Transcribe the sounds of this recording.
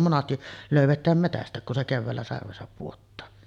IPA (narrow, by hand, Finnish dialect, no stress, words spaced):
monɑsti løˑyʋetˑæːm metæstˑæˑek kun se keʋːæːlːæ sɑrʋesɑp puotːɑː